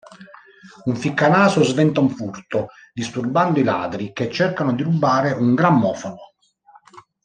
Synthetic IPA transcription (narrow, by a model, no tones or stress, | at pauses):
uɱfikːanaːsozvɛnt̪auɱfurt̪o | d̪ist̪urband̪oila̰ːd̪ɾiket͡ʃːɛrkanod̪iɾubːaːɾeʔuŋɡɾamːɔːfono